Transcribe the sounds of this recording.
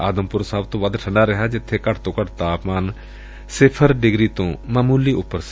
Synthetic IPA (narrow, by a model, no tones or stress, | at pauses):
aːd̪əmpʊɾsaːbt̪õːʋəd̪ʈʰə̃ɳɖaːɾəɦad͡ʒɪt̪ʰːekəʈʰt̪õːkəʈʰt̪aːpmaːn | sɪpʰəɾɖɪɡɾiːt̪õːməmuːliːʊpːəɾs